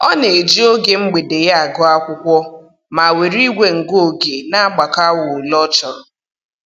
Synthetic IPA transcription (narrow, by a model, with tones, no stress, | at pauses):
ɔ˦ne˨e˨d͡ʒi˦o˦ɡe˨ŋ͡m̩˦ɡ͡be˨de˨ja˦a˨ɡɔ˦a˦kʷʊ˦kʷɔ˦ | ma˨we˨ɾi˦ɡʷe˨ŋ̩˨ɡo˨ɡe˨na˦a˦ɡ͡ba˨ka˦wʊ˨lɔ˦t͡ʃɔ˨ɾɔ˨